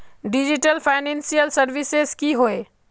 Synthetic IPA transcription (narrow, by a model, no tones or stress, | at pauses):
ɖid͡ʒiʈəlpʰaɪnẽnsijəlsəɾʋisezkiɦoe